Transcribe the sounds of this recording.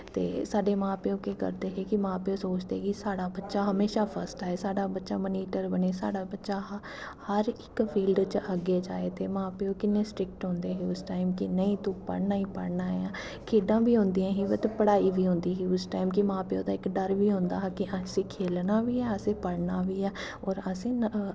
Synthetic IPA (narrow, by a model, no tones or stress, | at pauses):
t̪ḛːsaːɖeːmãːpeːoːkeːkə̰ɾd̪eːɦeːkɪmãːpeːsoːt͡ʃd̪eːɛkɪsaːɽaːbətːʃaːɦəmeːʃaːpʰəɾsʈɦɛːsaːɖaːbətːʃaːməniːʈəɾbəneːsa̰ːɽaːbətːʃaːɦ | həɾɪkpʰiːlɖt͡ʃʔəɡːeːd͡ʒaːeːt̪eːmãːpeːoːkɪnːẽːsʈɾɪk̚ʈɦõːnd̪eːɦeːʊsʈaːɪmkɪnəĩːt̪ʊ̃ːpə̰ɽnaːĩːpə̰ɽnaːɛãː | kʰeːɖãːbiːɦʊ̃nd̪ijãːɦĩːʋət̪pəɽaːiːʋiːɦʊ̃nd̪iːɦiːʊsʈaːimkimãːpeːoːd̪aːɪkɖəɾʋiːɦʊ̃ːnd̪aːɦɛkɪʔəsĩːkʰeːlnaːʋiːɛːəsẽːpəɽnaːʋiːɛː | ɔːɾəsẽː